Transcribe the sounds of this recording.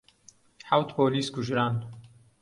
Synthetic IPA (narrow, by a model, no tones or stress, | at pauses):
ħawt̪poːliːskʊʒɾaːn